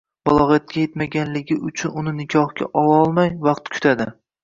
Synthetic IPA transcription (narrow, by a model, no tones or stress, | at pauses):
balˠɒʁjat̪̚kʲajet̪maɡʲanlɪɡʲɪʔʊt͡ʃʰʊnʊnɪnɪkʲʰɒhɡʲa̰ʔɒlˠaɒlˠmajvɑqt̪kʰʊ̥t̪ʰad̪ɪ